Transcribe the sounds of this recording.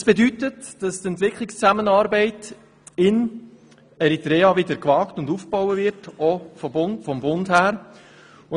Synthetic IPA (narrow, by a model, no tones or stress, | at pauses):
sb̥edytətd̥ɑst̪ɛntʋɪkʰlikst͡sæmənɑːɾbɛɪt | ɪn | ɛɾit̪ɾɛːɑʋɪdəɾkʋɑːktʊndufb̥ɔwəvɪɾtɔfɔbʊnfɔmbʊndhæːɾ | ʊ